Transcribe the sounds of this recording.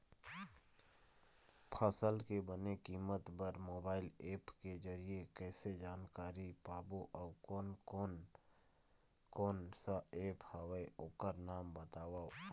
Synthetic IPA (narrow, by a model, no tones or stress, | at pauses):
pʰəsəlkebənekiːmət̪bəɾmoːbaːɪleːpked͡ʒəɾiekɛːsed͡ʒaːnkaːɾipaːboʔɔːkoːnon | koːnsaeːphaweoːkəɾnaːmbət̪aːwa